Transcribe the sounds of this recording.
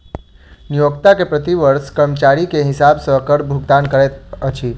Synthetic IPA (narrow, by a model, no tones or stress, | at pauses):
nijokt̪akepɾət̪iʋəɾskəɾmt͡ʃaɾikeɦɪsabsəkəɽbʱuɡd̪ankəɾɛt̪ət͡ʃʰi